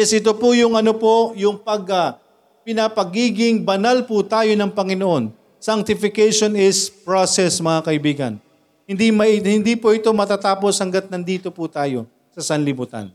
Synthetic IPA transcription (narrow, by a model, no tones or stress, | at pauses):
jɛsʔɪt̪o̞pʊjʊŋʔɐno̞po̞jʊŋpɐɡɐ | pɪnɐpɐɡiːɡɪŋbɐnalpʊt̪aːjo̞nɐŋpɐŋɪno̞ʔo̞n | saŋk̚t̪ɪfɪkejʃo̞nɪspɹosɛsmɐŋakɐʔɪbiːɡɐ̰n | hɪnd̪imɐhɪnd̪ipoʔɪt̪o̞mɐt̪aːt̪aːpo̞shɐŋɡɐt̪̚nɐnd̪iːt̪o̞put̪aːjo̞ | sɐsɐnlɪbut̪a̰n